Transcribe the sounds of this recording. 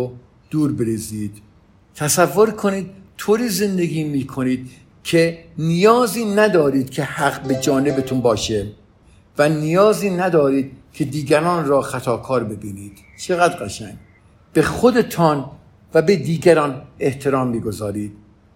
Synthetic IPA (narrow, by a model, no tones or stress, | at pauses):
d̪̥uːɾbeɾeziːd̪̥ | t̪ʰæsævːo̞ɾkʰoniːd̪̥̚t̪ʰoːɾiːze̞nd̪e̞ɡiːmiːkʰo̞niːd̪̥ | cʰenijɒːziːnæd̪ɒːɾiːd̪̥kʰe̞hæɡbe̞d͡ʒɒːne̞bet̪ʰunbɒːʃe | vænijɒːziːnæd̪ɒːɾiːd̪̥̚cʰe̞d̪iːɡæɾɒːnɾɒːxæt̪ʰɒːkʰɒːɾbe̞biːniːd̪̥ | t͡ʃʰe̞ɣæd̪ɢæʃæŋɡ | b̥e̞xod̪e̞t̪ʰɒn | væbed̪iːɡæɾɒːne̞ht̪ʰe̞ɾɒːmːiːɡo̞zɒːɾiːd̪̥̚